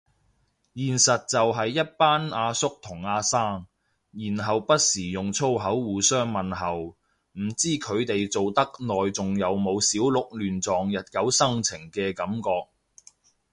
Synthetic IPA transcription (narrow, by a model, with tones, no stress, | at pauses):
jiː˨˩nsɐ˨t̚t͡sɐ˨wɦɐ˨jːɐ˥t̚paː˥naː˧sʊ˥k̚t̪ʰʊ˨˩ŋaː˧saː˥ŋ | jiː˨˩nɦɐ˨wpɐ˥t̚siː˨˩jʊ˨ŋt͡sʰo˥wɦɐ˨˥wːuː˨˧sœː˥ŋmɐ˨nɦɐ˨w | m̩˨˩t͡siː˥kʰɵ˨˧ɥt̪e˨jt͡so˨wt̪ɐ˥k̚nɔː˨jt͡sʊ˨ŋjɐ˨˧wmo˨˧wsiː˨˥wlʊ˨k̚lyː˨nt͡sɔː˨ŋjɐ˨t̚kɐ˨˥wsɐ˥ŋt͡sʰɪ˨˩ŋkɛː˧kɐ˨˥mkɔː˧k̚